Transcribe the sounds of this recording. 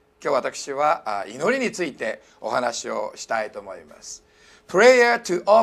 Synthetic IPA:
kʲjo̞ːβat̪akɯ̟̥ɕiβaino̞ɾʲiɲ̟it͡sɨit̪e̞ | o̞̰hanaɕio̞̰ɕi̥t̪ait̪o̞ːmo̞̰ima̰sɨ̥ | pɯɾejat̪ɨʔo

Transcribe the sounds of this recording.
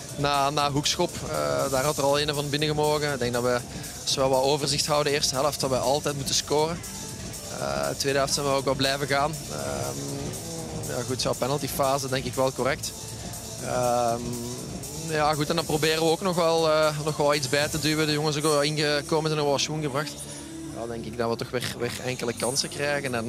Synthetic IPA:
naːnaːɦuksxɔpə̰daːrɦɑtərɑlˠeːnəvɑnbɪnəɣəmoːɣənɪɡ̚dɛŋɡ̚dɑtʋə | ɑsəʋɛlˠʋɑloːvərzɪxtɦʌwdəɪːrstəɦɛləftdɑtʋɛʔɑlˠtɛjtmutəskoːrə | ə̰tːʋeːdəɦɛlˠftsɛnʋəoːkʋɛlˠblɛjvəɣaːnə̰m | ja̰ːɣutsɔpɛnəlˠtifaːzədɛŋkɪkʋɛlˠkɔrɛk̚t | əm | jaːɣutɛndɑnprobeːɾəʋəoːknɔxʋɛlˠənɔxʋɛlˠitzbɛːtədywədəjɔŋəns̬okɪnɣəkoːmənzɛnokɑsunɣəbrɑxt | a̰dɛŋkɪɡ̚dɑʋətɔxʋɪːrʋɪ̰ːrɛŋkələkɑnsəkrɛjɣənɛn

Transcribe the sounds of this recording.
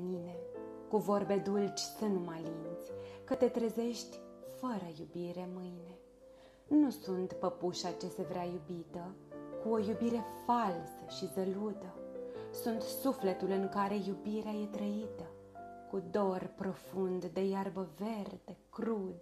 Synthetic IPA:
nine̞ | kuvo̞rbe̞d̪ult͡ʃsɨnumalint̪sʲkət̪e̞t̪ɾeze̞ʃt̪ʲfəɾəjubiɾe̞mɨjne̞ | nusunt̪pəpuʃat͡ʃe̞se̞vɾeajubit̪əkuo̞jubiɾe̞falsəʃizəlut̪əsunt̪sufle̞t̪ulɨŋkaɾe̞jubiɾeaje̞t̪ɾəit̪ə | kud̪o̞rpɾo̞fund̪d̪e̞jarbəve̞rd̪e̞kɾud̪

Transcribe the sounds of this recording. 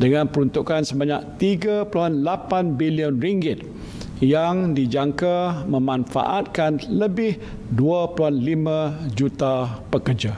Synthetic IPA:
dəŋãnpəɾunt̪ukansəbaɲãk̚t̪iɡapəluɦanlapanbiliənriŋɡɪt̪̚ | jaŋdid͡ʒaŋkamə̃mãnfa̰ʔat̪̚kanləbɪh | duapəluɦanlimãd͡ʒut̪apəkərd͡ʒa

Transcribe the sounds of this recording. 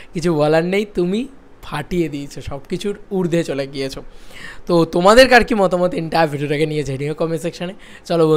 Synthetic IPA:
kit͡ʃʰubɔlaɾnɛjt̪umi | pʰaʈijed̪it͡ʃʰɔʃɔbkit͡ʃʰuuɾd̪ʱet͡ʃɔlaɡijet͡ʃʰɔt̪ot̪omad̪eɾkaɾkimɔt̪ɔmɔt̪iɳʈabʱiɖoɾaɡenijed͡ʒʱeɽ̃ĩjokɔmisekʃəñe | t͡ʃɔlob

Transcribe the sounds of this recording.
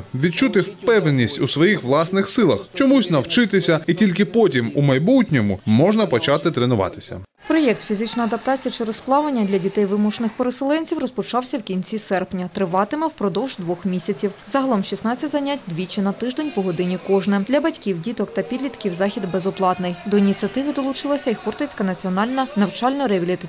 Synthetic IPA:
ʋʲid̪̚t͡ʃut̪ɪwpɛwnenʲːisʲtʲusʋɔjixʋlˠɑsnɪxsɪlˠɐxt͡ʃɔmusʲnɐwt͡ʃɪt̪ɪsʲɐitʲilʲkɪpɔtʲimumɐjbutʲnʲɔmʊ̰mɔʒnɐpɔt͡ʃɑt̪ɪt̪ɾenʊʋɑ̰t̪ɪ̥sʲɐ̰ | pɾɔjɛkt̪fʲizɪt͡ʃnɔjɐd̪ɐp̚t̪ɑt͡sʲijɐt͡ʃɪɾɔsplˠɑʋlenʲːɐd̪ʲlʲɐdʲit̪ɛjʋɪmuʃenɪxpeɾeselˠɛnʲt͡sʲiwrɔspɔt͡ʃɑwsʲɐwkʲinʲt͡sʲisɛrpnʲɐt̪ɾɪʋɑt̪ɪmɪwpɾɔd̪ɔwʒd̪ʋɔxmʲisʲɐt͡sʲiwzɐɦɐlˠɔmʃʲisnɑt͡sʲːɐtʲzɐnʲatʲd̪ʋʲit͡ʃɪnɐt̪ɪʒd̪enʲpɔɦɔd̪ɪnʲikɔʒnɛd̪lʲɐbɐtʲkʲiwdʲit̪ɔkt̪ɐpʲid̪lʲit̪kʲiwzɑxʲid̪bezɔplˠɑt̪nɪjd̪ɔinʲit̪ʲt͡sʲiɐt̪ɪʋɪd̪ɔlˠʊt͡ʃɪlˠɐsʲɐixurt̪et͡sʲkɐnɐt͡sʲiɔnɑlʲnɐnɐwt͡ʃɑlʲnɔɾɛʋʲilʲit̪ɪ

